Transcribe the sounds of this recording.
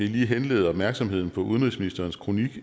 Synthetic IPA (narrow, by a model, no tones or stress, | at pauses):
iliːɦenle̝̰ːð̩ˠɒ̽b̥mæɐɡ̥sɒ̽mɦe̝ð̰ˠn̩pʰɒ̽ʔuð̞ˠən̩ʁisminisd̥ɐːnskʰʁo̝niɡ̥